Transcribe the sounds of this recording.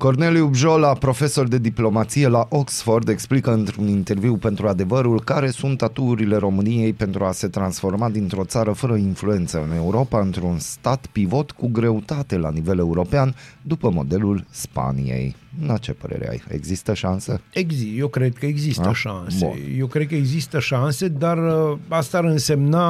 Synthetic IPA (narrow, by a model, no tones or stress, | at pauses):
ko̞rne̞liubʒo̞lapɾo̞fe̞so̞rd̪e̞d̪iplo̞mat̪sije̞laʔo̞ksfo̞rd̪e̞ksplikəɨnt̪ɾunint̪e̞rviwpe̞nt̪ɾuad̪e̞vəɾulkaɾe̞sunt̪ːat̪uːɾile̞ɾo̞mɨnije̞jpe̞nt̪ɾuase̞t̪ɾansfo̞rmad̪int̪ɾo̞t̪saɾəfəɾəinflue̞nt̪səɨne̞uɾo̞paɨnt̪ɾunst̪at̪pivo̞t̪kuɡɾe̞ut̪at̪e̞lanive̞le̞uɾo̞peand̪upəmo̞̰d̪e̞lulspa̰nḭje̞̰jnat͡ʃe̞pə̰ɾḛɾḛa̰jḛɡzist̪əʃanseeɡzijewkɾed̪̚kəeɡzisəʃansbeṵjewkɾed̪̚kəeɡzist̪əʃanse̞d̪arəast̪aɾɨnse̞mna